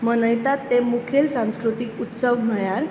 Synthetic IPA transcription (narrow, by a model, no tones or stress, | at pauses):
mənəjt̪at̪ːemukʰelsãw̃skɾut̪ikut̪səʋm̤əɭjaɾ